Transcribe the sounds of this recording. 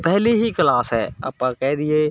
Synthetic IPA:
pɛɦliɦikəlaːsɦɛːa̰pːãkɛːd̪ɪeː

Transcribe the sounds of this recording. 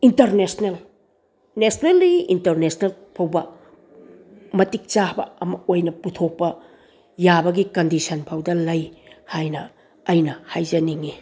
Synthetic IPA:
intɐɾnesnel | nesnelːiintɐɾnesnelpʰɐwbɐ | mɐtik̚t͡ʃabɐ̰ɐmɐojnɐputʰok̚pɐ | jabɐɡikɐndisʰɐnpʰawdɐlɐjhajnɐː | jnɐhajzɐniŋi

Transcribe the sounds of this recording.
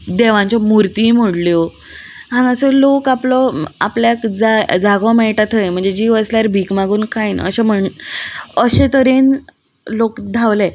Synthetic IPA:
d̪eʋãɲt͡ɕɔmuɾt̪im̤oɽljɔ | ɦãnəselokaplɔa̰pljakd͡zad͡zaɡɔmɛɭʈat̪ʰəjm̤əɳd͡zed͡ʑiʋəsljaɾbʱiːkmaɡuːnkʰajnə̰ɕem̤əɳ | əɕẽt̪əɾen | lokd̪ʱaʋle

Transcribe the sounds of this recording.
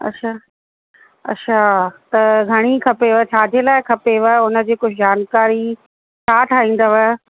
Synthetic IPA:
ɐ̰tːɕʰaː | ɐ̰tːɕʰaːt̪ɐɡʱɐɽ̃ikʰɐpeʋət͡ɕʰaːd̪ʱielaːɪkʰɐpeʋəʊnə̆d͡ʑiːkʊd͡ʑʱd͡ʑaːnkaːɾi | t͡ɕʰaːʈʰaːɦĩːn̆d̪əʋə

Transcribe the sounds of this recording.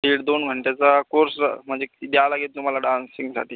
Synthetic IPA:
iːɽd̪onɡʱəɳʈet͡sakoɾsm̤əɳd͡zeid̪alaɡet̪̚t̪um̤alaɖansiŋɡsa̰ʈʰiː

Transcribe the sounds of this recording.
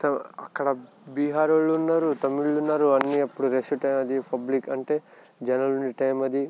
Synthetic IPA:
t̪ɐɐ̰kːɐɽɐ | biːɦaːɾoɭːuːnːaːɾut̪ɐmiɭːunːaːɾuɐnːiɐpːuɽuɾesuʈɐjmɐd̪ipɐblikɐɳʈe̞ː | d͡ʒɐnɐluɳɖiʈɐjmɐd̪i

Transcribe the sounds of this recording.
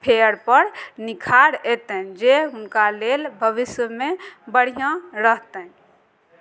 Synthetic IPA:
pʰeəɾpəɾnikʰaɽɛt̪əd͡ʒeɦunkalelbʱəʋisjəmebəɽ̤ijãɾəɦt̪ə̃

